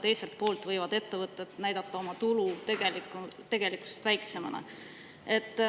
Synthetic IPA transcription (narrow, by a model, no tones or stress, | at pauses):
t̪e̞jse̞lt̪̚po̞ːlt̪vɤjvɑd̪̥e̞t̪ːe̞vɤt̪ˑːɑet̪næjd̪̥ɑt̪ːˑɑo̞mɑt̪ulut̪eɡelikt̪e̞ɡ̥e̞liku̥sest̪væjkse̞mɑnɑ̰ | e̞t̪ːˑ